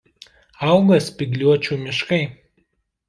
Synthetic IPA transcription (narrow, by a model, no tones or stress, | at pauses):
ɐˑʊɡɐspʲɪɡlʲuɔt͡ʃʲuːmʲɪʃkɐɪ